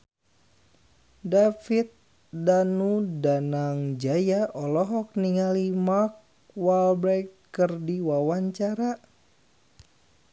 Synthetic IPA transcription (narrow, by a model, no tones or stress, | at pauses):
dafit̪̚ | danudanaŋd͡ʒajaʔɔlɔɦɔk̚niŋalimak̚ | walbɾɛk | kɨrdiwawaɲt͡ʃaɾa